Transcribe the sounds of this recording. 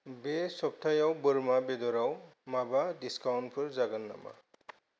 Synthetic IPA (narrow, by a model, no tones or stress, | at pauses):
besɔp̚t̪ʰajawbɯɹmabɛd̪ɔɾawmabadiskawnpʰɯɹzaɡanːa̰ma̰